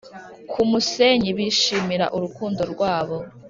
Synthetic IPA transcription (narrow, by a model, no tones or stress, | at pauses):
kʰumuseɲiβiʃiːmiɾa̰ʔuɾukuːndo̞ɾɡwaːβo